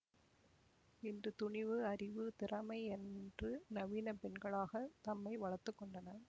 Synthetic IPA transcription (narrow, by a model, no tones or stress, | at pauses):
ɪndrɯt̪ʊɳɪʋɯɐrɪʋɯt̪ɪrɐmɐɪɛndrɯnɐʋiːnɐpɛnɡɐɭaːɣɐt̪ɐmːɐɪʋɐɭɐɾt̪ːɯkːɔɳɖɐnɐ